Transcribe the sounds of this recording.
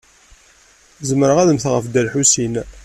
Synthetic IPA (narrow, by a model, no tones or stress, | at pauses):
zəməɾəʁæðəmθʁəfd̪ælħusin